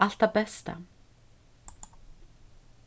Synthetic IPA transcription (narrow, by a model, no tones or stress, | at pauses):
al̥t̪apɛst̪a̰